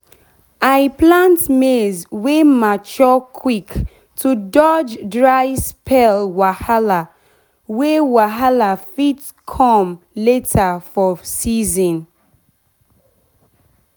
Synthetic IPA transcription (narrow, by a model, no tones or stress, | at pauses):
aɪplãntmezwemat͡ʃɔkʰwik | tʰudɔd͡ʒdɹaɪspʰɛlwahala | wewaɦalafit | kʰɔ̃m | letʰafɔsizɔ̃n